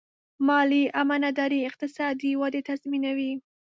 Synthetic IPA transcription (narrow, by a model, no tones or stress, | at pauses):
mɑliʔamanad̪ɑɾiɪq̚t̪ɪsɑd̪iwad̪et̪azminawi